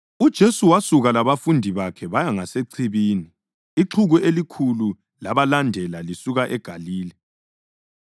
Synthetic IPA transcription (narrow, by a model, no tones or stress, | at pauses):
ud̥ʒ̥ʱesuwasuɣalaβafundʱiβakʰɛβajaŋaseǀʰiβiːniː | ǁʰuɣuʔelikʰulu | laβalandʱɛlalisuɣaʔɛɡ̥ʱaliːlɛ